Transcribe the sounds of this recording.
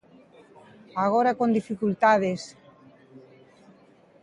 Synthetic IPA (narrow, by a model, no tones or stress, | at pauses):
aɣ̞oɾakond̪ifikult̪aðes